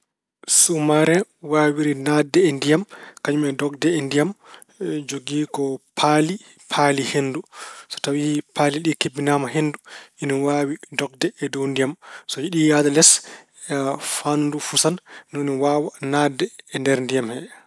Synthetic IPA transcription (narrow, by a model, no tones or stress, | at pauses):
sumaɾɛwaːwiɾinadɛːndijamkaɲumɛdɔɡdɛɛndijam | d͡ʒoɡiːkɔpʰali | pʰalihendusɔ̥tawipʰaliɗikebːinamaɦenduiniwawidɔɡ̚dɛɛdondijamsɔjiɗijadalɛs | ɛfandufusannɔniwaːwanadɛɛndɛɾndijamhɛ